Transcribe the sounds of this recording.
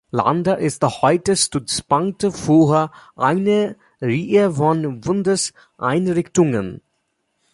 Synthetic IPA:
la̰ndɐʔɪsthɔʏtəstʊt͡spaŋtfuːɦəʔaɪnə | ʁiːəfɔnbʊndəs | ʔaɪnʁɪçtʊŋən

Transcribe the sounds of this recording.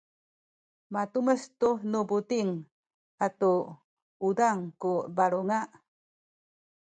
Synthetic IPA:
matuməstunubutiŋ | atu | udaŋkubaɾuŋaʔ

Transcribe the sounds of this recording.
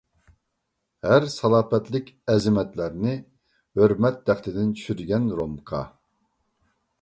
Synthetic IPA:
hæɾsɑlˠɑːpɛt̪lɪkʲɛzɪmɛt̪læɾnɪ | høɾmɛt̪̚d̪æχt̪ɪd̪ɪnt͡ʃʰy̥ʃyɾɡʲɛnɾomkʰɑ̰

